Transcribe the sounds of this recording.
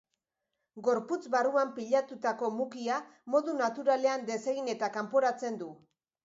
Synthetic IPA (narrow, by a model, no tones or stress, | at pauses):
ɡo̞ɾput͡sβaruampiʎat̪ut̪ako̞mukiamo̞ðunat̪uɾale̞and̪e̞se̞ɣine̞t̪akampo̞ɾat͡se̞nd̪u